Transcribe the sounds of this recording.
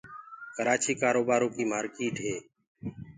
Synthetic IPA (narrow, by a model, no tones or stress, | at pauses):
kəɾaːt͡ʃiːkaːɾoːbaːɾõːkiːmaːɾkiːʈɦeː